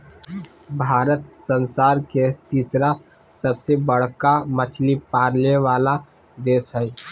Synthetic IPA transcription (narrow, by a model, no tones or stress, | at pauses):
bʱaːɾət̪sənsaːɾket̪iːsɾa | səbsebəɽ̤kamət͡ʃʰlipaːɾleʋaːla | d̪eːsɦɛ